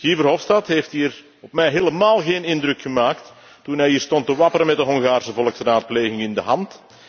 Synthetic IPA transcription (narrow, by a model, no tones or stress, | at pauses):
ɣivərɦɔfstɑtɦeːftɦiːr | ɔpmɛjɦeːləmaːlˠɣeːnɪndɾɵkxəmaːktː | unɦɛjɦiːrstɔntəʋɑpəɾəmɛt̚dəɦɔŋɣaːrsəvɔlˠəksraːt̚pleːɣɪŋɪndəɦɑnt